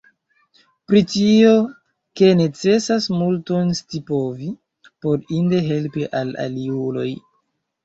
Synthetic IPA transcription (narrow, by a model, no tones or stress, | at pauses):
pɾitio̞ | ke̞ne̞t͡se̞sasmulto̞nstipo̞vi | po̞ɾinde̞ɦe̞lpiʔala̰liulo̞̰j